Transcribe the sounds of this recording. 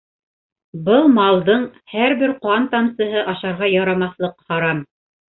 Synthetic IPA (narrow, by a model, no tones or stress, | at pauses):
bɤlˠmɑlˠd̪ɤɴhæɾbɘɾqɑnt̪ɑmsɤ̆ɦɤʔɑʃɑɾʁɑjɑɾɑmɑθlˠɤqhɑɾɑm